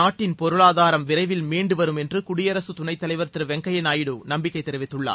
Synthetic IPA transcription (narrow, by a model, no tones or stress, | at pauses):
aːʈːɪnpɔɾɯɭaːðaːɾɐmʋɪɾɐɪʋɪlmeːɳɖɯʋɐɾɯmɛndrɯkʊɽɪjɐɾɐsɯt̪ʊnɐɪt̪ːɐlɐɪʋɐɾt̪ɪɾɯʋɛŋɡɐjɐnaːjɪɽɯnɐmbɪkːɐɪt̪ːɛɾɯʋɪt̪ːɯɭːa̰ː